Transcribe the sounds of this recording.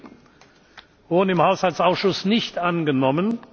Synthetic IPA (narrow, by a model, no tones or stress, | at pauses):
vʊɐdn̩ɪmhaʊshalt͡ssaʊsʃʊsnɪçtʔanɡənɔmən